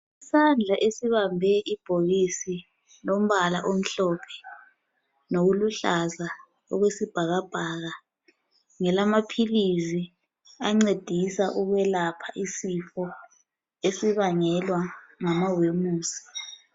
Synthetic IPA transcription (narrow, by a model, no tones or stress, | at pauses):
isand͡ɮʱaʔesiβambʱɛʔib̥ʱoɣisi | lom̩βalaʔom̩ɬɔpʰɛ̥ | noɣuluɬaza | ɔ̰ɣwesib̥ʱaɣab̥ʱaːɣa | ŋɛlamapʰilizi | aŋ͡ǀed̥ʱisaʔuɣwɛlapʰaʔisifɔ | esiβaŋɛlwaŋamawemuːsi̥